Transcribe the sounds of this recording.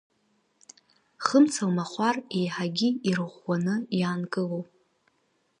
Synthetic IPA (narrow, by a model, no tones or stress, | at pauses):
χəmt͡sʰalmaχʷare̞jħaɡʲiirʁʷːanɨjaːnkʼɨlowpʼ